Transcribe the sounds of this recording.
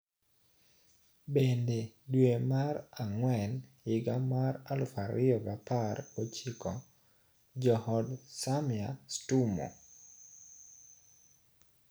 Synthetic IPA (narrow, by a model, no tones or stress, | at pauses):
bendedwemaraŋwɛnjɪɡamaɾalfaɾɪɔbaparot͡ʃikɔ | d͡ʒɔhɔdsamjastumɔ̰